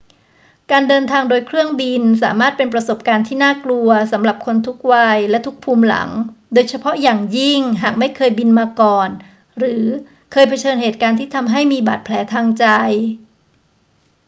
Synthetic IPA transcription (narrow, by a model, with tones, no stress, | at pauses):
kaː˧ndɤː˧nt̪ʰaː˧ŋdoː˧jkʰɾɯ˥˩əŋbi˧nsa̰ː˩˦maː˥˩t̪̚pe˧npɾa˧so˨˩p̚kaː˧nt̪ʰiː˥˩naː˥˩klu˧ɐsa˩˦mɾa˨˩p̚kʰo˧nt̪ʰu˦˥k̚waː˧jlɛ˦˥t̪ʰu˦˥k̚pʰuː˧mla̰˩˦ŋdoː˧jt͡ɕʰa˧pʰɔ˦˥ʔjaː˨˩ŋji˥˩ŋɦaː˨˩k̚ma˥˩jkʰɤː˧jbi˧nmaː˧kɔː˨˩n | ɾɯː˩˦ | kʰɤː˧jpʰa˧t͡ɕʰɤː˧nɦeː˨˩t̪̚kaː˧nt̪ʰiː˥˩t̪ʰa˧mɦa˥˩jmiː˧ba̰ː˨˩t̪̚pʰlɛː˩˦t̪ʰaː˧ŋt͡ɕa˧j